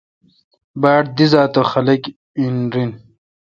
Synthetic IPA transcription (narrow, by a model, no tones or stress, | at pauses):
baːɽd̪izaːt̪oxɐlɐk | inɾin